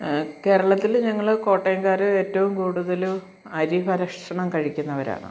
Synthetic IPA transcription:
ke̞ːɾɐɭɐt̪ːilɲɐŋːɐɭko̞ːʈːɐjɐŋkaːɾɨe̞ːtːɐʋumkuːɽuðɐlu | ɐɾiɦɐɾɐkʂʂɐɳɐmkɐɻikʲːunːɐʋɐɾa̰ːɳɨ̰

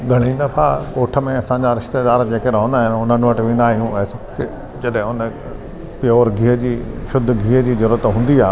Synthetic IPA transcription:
ɡʱɐɽ̃ĩd̪ɐfʰakoːʈʰə̆mẽɐsãɲd͡ʑaɾɪʃt̪eːd̪aːɾd͡ʑeːkeɾɐɦõːnd̪aːɦɪnʊn̤ənʋɐʈʋẽːn̆d̪aːɦijũɐskɪ | d͡ʑɐɗɦɪ̃ʊnə | pjoːɾɡʱiːəd͡ʑiːʃʊd̪ʱːɡʱiːəd͡ʑiːzɐɾuːɾət̪ɦũːn̆d̪iaː

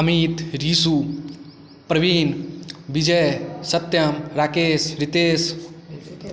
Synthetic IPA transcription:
ɐmiːt̪ɾiːsu | pɾɐʋiːnbid͡ʒɐjsɐt̪jɐmɾaːkeːsɾit̪eːs

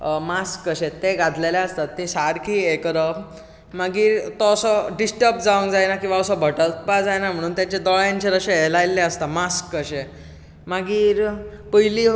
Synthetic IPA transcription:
maskːəɕet̪eɡad̪ʱlajlaəst̪at̪ːesaɾkʰiːekɾə | maɡiːɾt̪ɔəsɔɖisʈəp̚d͡zaʋəŋkd͡zajnakĩʋaəsɔbʱəʈəlpad͡zajnam̤əɽ̃uːnt̪jat͡ɕed̪ɔɭjãɲt͡ɕeɾəɕeelajlːeəst̪amaskːəɕe | maɡiːɾpəjliː

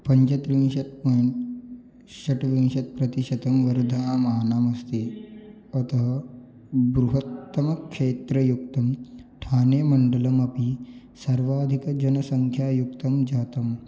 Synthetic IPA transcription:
pɐɲt͡ʃɐt̪ɾiĩnɕɐt̪̚pən | ɕɐʈʋĩnɕɐt̪̚pɾɐt̪iɕɐt̪ɐmʋəɾd̪ʱɐamɐɦanaːmɐst̪e | ɐt̪əɦə | bɾuɦɐt̪ːəmɐkʂeːt̪ɾəjuk̚t̪ɐmʈʰaːneːmɐɳɖələmɐpi | sɐɾʋaːd̪ʱikəd͡ʒɐnɐsɐŋkʰjaːjukt̪ɐmd͡ʒaːt̪ɐm

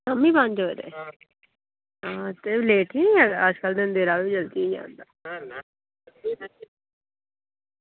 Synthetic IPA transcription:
kəmːĩːbãnd͡ʒoːd̪ḛː | ãːt̪eleːʈʰiaəd͡ʒkəld̪end̪eːɾaːʋid͡ʒəlt̪iid͡ʒã̰ːnd̪aː

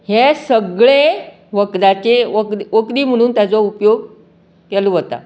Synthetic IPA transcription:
hesəɡɭe | ʋəkd̪at͡ɕeəʋəkɾiːm̤əɽ̃uːnt̪jat͡sɔupjoɡ | kɛluɦot̪a̰

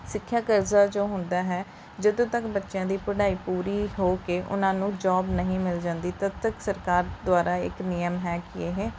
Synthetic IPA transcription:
sɪkʰːjaːkəɾzaːd͡ʒoːɦʊ̃nd̪aːɦɛː | d͡ʒəd̪õːt̪əkbətːʃjãːd̪iːpəɽaːiːpuːɾiːɦoːkeːʔʊ̰nãːnũːd͡ʒɔːbnəɦĩːmɪld͡ʒãːnd̪iːt̪əbt̪əksəɾkaːɾd̪ʊaːɾaːɪ̰knɪjəmɦɛːkɪeːɦɛː

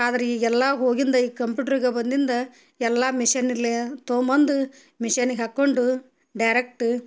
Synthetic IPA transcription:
aːd̪ɐɾeiːɡɛlːaːɦoːɡind̪ɐiːkɐmp̬juːʈɐɾiɡebɐnd̪ind̪ɐ | ɛlːaːmiʂɐnilːet̪oːmɐnd̪u | miʂɐnɡeɦɐkːoɳɖu | ɖɐjɾek̚ʈ

